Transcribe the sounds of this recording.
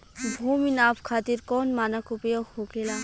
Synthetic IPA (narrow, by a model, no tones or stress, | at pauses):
bʱuminabkʰat̪iɾkɔnmanakupeokhokela